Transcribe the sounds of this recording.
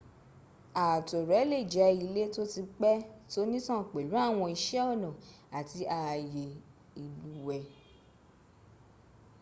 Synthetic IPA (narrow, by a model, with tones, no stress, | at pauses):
a˨to˨ɾɛ˨˦le˦˨d͡ʒɛ˨˦i˧le˦to˦ti˧k͡pɛ˦to˦nĩ˦tã˦˨k͡pe˨lu˨˦a˦˨w̃ɔ̃˧i˧ʃɛ˦ɔ˦˨nɔ̃˨ | a˨ti˧˦a˧˨˧je˨ | i˧lu˦wɛ˧